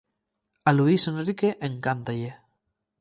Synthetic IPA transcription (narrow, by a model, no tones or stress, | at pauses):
aluisenrrikeʔeŋkant̪aʎe